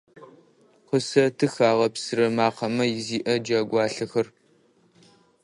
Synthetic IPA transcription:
qəsɐtʰɨxaːʁɐpsɨɾɐmaːqɐmɐjɪziːʔɐd͡ʒaːɡʷɑːɬɐxɐr

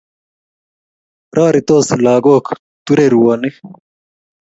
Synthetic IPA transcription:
ɾaːɾit̪oːslaːɡoːkʰ | t̪uɾeɾuwaːnik

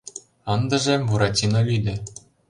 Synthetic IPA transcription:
ɤnd̪ɤ̆ʐemvuɾɑtʲinovʲid̪ʲɘ̆

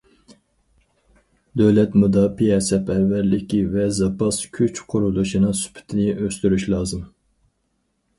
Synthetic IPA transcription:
d̪øwlɛt̪mud̪ɑːpijɛsɛpʰɛvːælːɪkʲivɛzɑpʰɑskʲʰyt͡ʃqʰʊɾulˠuʃinɨŋsy̥pʰɪ̥t̪ʰɪnɪʔøst̪yɾyʃlˠɑːzɨm

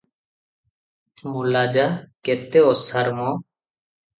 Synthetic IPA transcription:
mulad͡ʒaket̪eɔsaɾmɔ

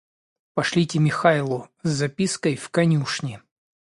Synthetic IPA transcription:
pɐʂlʲitʲɪmʲɪxalˠʊzːɐpʲiskəjfkɐnʲuʂnʲɪ

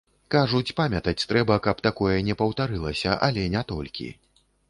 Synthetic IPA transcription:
kaʐut͡sʲpamʲɐt̪ɐt͡sʲt̪ɾɛbɐkɐpt̪akɔjɐnʲɛpɐwt̪aɾɨlˠɐsʲɐʔɐ̰lʲɛnʲɛt̪ɔ̰lʲkʲḭ

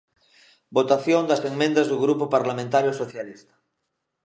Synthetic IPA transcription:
bot̪aθjõnd̪aseŋmẽnd̪azðuɣɾupopaɾlamẽnt̪aɾjosoθjalist̪ḁ

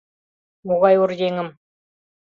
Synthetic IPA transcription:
muʁɑjʊɾd̪eŋɪm

